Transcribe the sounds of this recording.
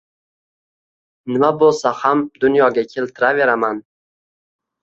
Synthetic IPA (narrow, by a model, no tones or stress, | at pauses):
nɪmabolˠsahamd̪ʊnjɒɡʲakʲʰe̞lt̪ʰɪɾave̞ɾaman